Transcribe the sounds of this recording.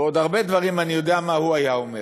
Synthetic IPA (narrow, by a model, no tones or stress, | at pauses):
o̞d̪aʁbe̞d̪vaʁimanijo̞d̪eamahuajaome